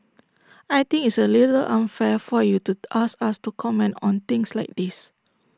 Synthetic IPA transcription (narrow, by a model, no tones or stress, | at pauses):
ajt̪ĩŋitsəlitəlʔãnfɛfɔjutuʔaskastukʰɔmɛ̃ntɔ̃nt̪ĩŋslaɪk̚dis